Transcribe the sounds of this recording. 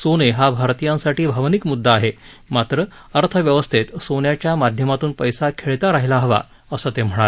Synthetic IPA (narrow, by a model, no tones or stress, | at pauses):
soneɦabʱaɾt̪ijãnsaʈʰiːbʱəʋnikmud̪ʱːaːɦemat̪ɾə | əɾt̪ʰəʋjəʋəst̪ʰet̪sonjat͡ɕjamad̪ʱjəmat̪uːnpəjsakʰeɭt̪aɾaɦilaɦəʋa̰ | əsət̪em̤əɽ̃ale